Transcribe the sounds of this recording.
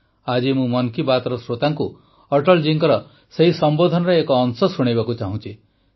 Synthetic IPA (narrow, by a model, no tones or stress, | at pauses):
ad͡ʒimũmɔnkibat̪ɾɔsɾot̪aŋku | ɔʈɔld͡ʒiŋkɔɾɔ | seɦisɔmbod̪ʱɔnɔɾeekɔːnsɔsuɽ̃ejbakut͡ʃaɦũt͡ʃʰi